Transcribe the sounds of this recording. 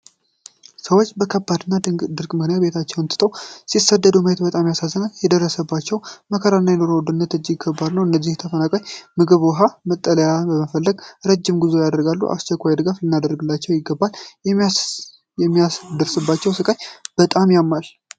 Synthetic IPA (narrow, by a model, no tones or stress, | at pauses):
səwo̞t͡ʃːbəkʰəbːad̪ɨnːad̪ɨɾkʼmɨknejabe̞t̪ʰat͡ʃːɛwɨnt̪ʰɨt̪ʼəwsisəd̪ːəd̪uməhet̪bət̪ʼamjasazːənaljɛd̪ərːəsəbːat͡ʃːɛwməkʰəɾanːajɛnoɾowɔd̪ɨnːət̪ɨd͡ʒːɪɪɡʰəbːalnəwɨnːəzːiht̪ʰəfənakʼajmɨɡɨβwɔɦamət̪ʼːələjabəməfəlːəɡɾəd͡ʒːɪmɡuzo̞jad̪əɾɡalːṵʔa̰st͡ʃɛkʷːajd̪ɨɡaflɨnːad̪əɾəɡɨlːat͡ʃːɛwjɪɡːəbːal | jɛmːijasd̪əɾsɨbːat͡ʃːɛwsɨkʼajb̥ət̪ʼamjamːal